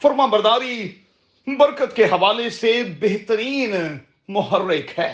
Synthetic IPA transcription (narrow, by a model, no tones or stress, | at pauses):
fəɾmãːbəɾd̪aːɾiː | bəɾkət̪keɦɐʋaːlesebeɦt̪əɾiːn | mʊɦərːɪkhɛː